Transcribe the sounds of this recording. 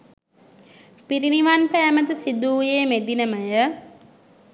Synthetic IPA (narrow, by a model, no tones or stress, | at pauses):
piɾiniʋanpæːməd̪əsid̪uːjeːmed̪inəməjə